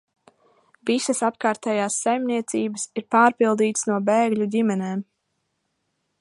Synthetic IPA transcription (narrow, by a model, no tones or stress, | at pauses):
visɐsapkaːɾt̪ɛːjaːsːajmniɛt̪siːbəsiɾpaːɾpilˠd̪iːt̪snuɔbeːɡʎʲudʲimɛneːm